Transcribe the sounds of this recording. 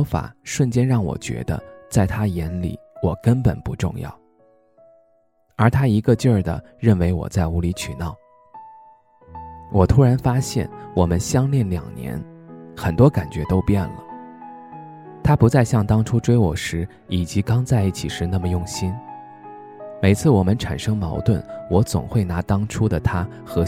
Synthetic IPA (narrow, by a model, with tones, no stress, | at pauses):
fa̰˨˩ʂwə˥˩nt͡ɕjɛ˥nɻɑ˥˩ŋwɔ̰˨˩t͡ɕɥɛ̰˧˥d̪ə̰˧t͡sa˥˩ɪt̪ʰa˥jɛ˧˥nlḭ˨˩˦wɔ˨˩kə˥npə̰˨˩npṵ˧˥ʈ͡ʂʊ̰˥˧ŋjɑ̰˥˩ʊ | ə˞˧˥t̪ʰa˥i˧˥ɡə˧t͡ɕjə˞˥˩d̪ə̰˩ | ɻə˥˩nwe˧˥ɪwɔ̰˨˩t͡sa˥˩ɪu˧˥li˧˥t͡ɕʰy˨˩nɑ˥˩ʊ | wɔ˨˩t̪ʰu˥ɻa˧˥nfa˥ɕjɛ̰˥˩nwɔ˨˩mə˦nɕjɑ˥ŋljɛ˥˩nljɑ̰˨˩ŋnjɛ̰˧˥nxə˨˩nt̪wɔ˥ka˨˩nt͡ɕɥɛ˧˥t̪o˥ʊpjɛ˥˩nlə̰˩ | t̪ʰa˥pu˧˥t͡sa˥˧ɪɕjɑ˥˩ŋt̪ɑ˥ŋʈ͡ʂʰu˥ʈ͡ʂwe˥ɪwɔ˨˩ʂɻ̩˧˥ | i˨˩t͡ɕi˧˥kɑ˥ŋt͡sa˥˧ɪi˥˩t͡ɕʰi˨˩ʂɻ̩˥˧na˥˩mə˩jʊ˥˩ŋɕi˥n | me˨˩ɪt͡sʰɹ̩˥˩wɔ˨˩mə˦nʈ͡ʂʰa̰˨˩nʂɤ˥ŋmɑ˧˥ʊt̪wə̰˥˩nwɔ˧˥t͡sʊ̰˨˩ŋxwe˥˩ɪna˧˥t̪ɑ˥ŋʈ͡ʂʰu˥d̪ə˨t̪ʰa˥ | xɤ˧˥